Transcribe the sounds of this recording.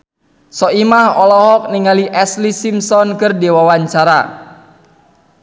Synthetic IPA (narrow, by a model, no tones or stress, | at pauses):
sɔimahɔlɔɦɔk̚niŋaliʔɛslisimsɔnkɨrdiwawaɲt͡ʃaɾa